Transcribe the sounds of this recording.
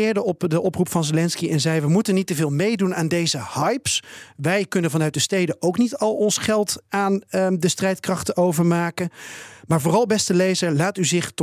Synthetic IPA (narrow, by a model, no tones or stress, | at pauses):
ɪːɹdəɔpdəʔɔprupfɑnzelɛnskiɛnzɛjʋəmutənːitəvɪːlˠmejdunaːndejzəhɑjpsʋɛjkɵnənvɑnœɥtdəstejdəʔowknitɑlˠɔnsχɛlˠtaːndəstrɛjtkrɑχtəowvəɹmaːkəmaːɹvʊːrɑlˠbɛstəlejzəɹlaːtyzɪχt